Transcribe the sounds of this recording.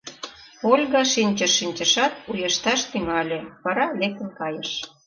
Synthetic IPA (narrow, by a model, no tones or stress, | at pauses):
olʲɣɑʃinʲt͡ɕəʃːinʲt͡ɕə̆ʃɑt̪ujə̆ʃt̪ɑʃt̪yŋɑlʲeβɑɾɑlek̚t̪ə̆nkɑjəʃ